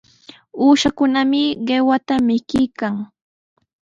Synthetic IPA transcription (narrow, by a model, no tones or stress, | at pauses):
uːʃakʊnamɪɢewat̪amɪkɪjkaŋ